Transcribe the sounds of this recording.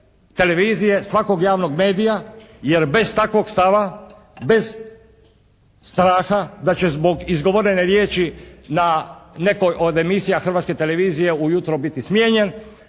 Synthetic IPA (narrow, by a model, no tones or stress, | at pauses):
t̪e̞le̞ʋiːzije̞sʋako̞ɡjaːʋno̞ɡme̞ːd̪ijaje̞ɾbe̞zt̪akʋo̞ɡst̪aʋa | be̞z | st̪ɾaːxad̪at͡ɕe̞zbo̞ɡizɡoʋoɾeneɾje̞ːt͡ʃinane̞ko̞jʔod̪e̞misijaxr̩ʋat̪ske̞t̪e̞le̞ʋiːzije̞ujut̪ɾobit̪ismjeːɲen